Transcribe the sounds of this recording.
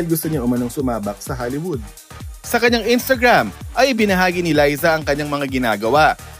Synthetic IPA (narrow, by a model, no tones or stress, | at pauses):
ɪlɡʊst̪ʊɲaʔʊmɐnoŋsʊmaːbɐk̚sɐɦaːlɪwʊd̪̚ | sɐkɐɲaŋʔɪnst̪ɐɡɹamʔɐjʔɪbɪnɐɦaːɡinɪlajzɐʔɐŋkɐɲːaŋmɐŋaɡɪna̰ːɡɐwaʔ